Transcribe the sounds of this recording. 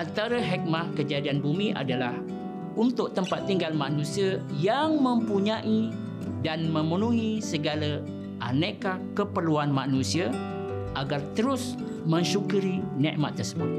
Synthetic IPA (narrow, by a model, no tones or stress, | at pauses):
ʔant̪aɾəɦɛk̚makəd͡ʒadianbumiʔa̰dalah | unt̪ʊʔ̚t̪əmpat̪ːiŋɡalmãnusiajaŋmə̃mpuɲaʔi | danmə̃mənuɦisəɡalə | ʔanəkakəpərluanmanusia | ʔaɡart̪əɾʊs | mə̃ɲʃukuɾinɛ̰̃ʔma̰t̪ərsəbʊt̪̚